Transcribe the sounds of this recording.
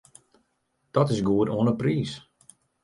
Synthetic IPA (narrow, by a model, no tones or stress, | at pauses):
d̥ɔtɪsɡuətoənəpriːs